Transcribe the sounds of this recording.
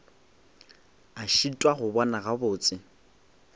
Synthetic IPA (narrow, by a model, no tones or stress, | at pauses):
aʃitʼwaχʊbɔnaɣabʊːt͡sʼɪ